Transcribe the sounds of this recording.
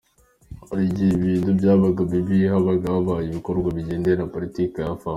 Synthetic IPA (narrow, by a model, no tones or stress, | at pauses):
haɾiɟiiβiːntubɟaːβaɡaβiβiɦaβaɡaaβaːjiβiko̞ɾɡwaβiɟeːnde̞ɾapolitikejafaː